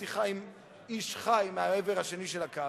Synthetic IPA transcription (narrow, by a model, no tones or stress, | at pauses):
iχajm | iʃχajmeaeveʁhaʃeniʃelaka